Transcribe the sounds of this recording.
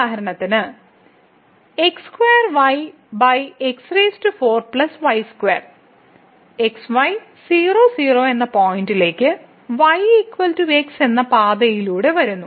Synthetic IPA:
aːɦɐɾɐɳɐt̪ːinɨ | ekskuʋeːɐrʋɐj | bɐjeksreːstufo̞ːrpɭɐsʋɐjskweːr | eksʋɐj | siːroːsiːro̞ːe̞nːɐpoːjindile̞ːkʲːɨ | ʋɐjikːʋɐltuekse̞nːɐpaːd̪ɐjiluːɽe̞ʋɐɾunːu

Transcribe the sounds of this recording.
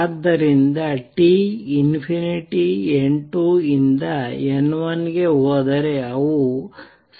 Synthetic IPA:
d̪ːɐɾind̪ɐʈiinpʰiniʈieɳʈuind̪ɐenːʋɐnɡe̞ɦoːd̪ɐɾe̞ɐʋu | s

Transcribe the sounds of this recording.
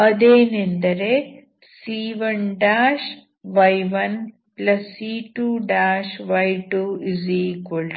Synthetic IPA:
ɐd̪eːnend̪ɐɾe | siːʋɐnɖaːʃ | ʋɐjʋɐn | plɐsːiːʈuːɖaːʃʋɐjʈuːiziːkoɭ

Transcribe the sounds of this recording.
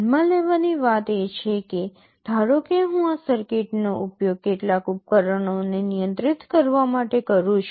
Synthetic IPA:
mãleʋaniʋat̪et͡ʃʰeke | d̪ʱaɾokeɦũasəɾkeʈnoʔupjoɡ̚keʈlakʊp̚kəɾəɳonenijə̃nt̪ɾɪt̪kəɾʋamaʈekəɾũt͡ʃ

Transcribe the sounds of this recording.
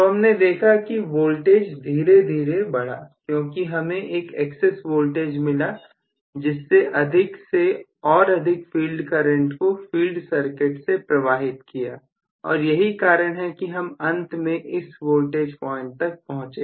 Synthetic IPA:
t̪oɦɐmned̪eːkʰakiʋoːlʈeːd͡ʒd̪ʱiːɾed̪ʱiːɾebɐɽ̤a̰ːkjõːkiɦɐmẽʔeːkɛːksɛsʋoːlʈeːd͡ʒmɪla | d͡ʒɪsːeʔɐd̪ʱɪkseɔːɾɐd̪ʱɪkfiːlɖkəɾə̃ɳʈkofiːlɖsɐɾkɪʈsepɾɐʋaːɦɪt̪kija̰ː | ɔ̰ːɾjɐɦikaːɾəɽ̃ɦɛkiɦɐmɐ̃nt̪mẽʔɪsʋoːlʈeːd͡ʒpɔːɪ̃ɳʈ̚t̪ɐk̚pɐɦʊ̃t͡ʃeː

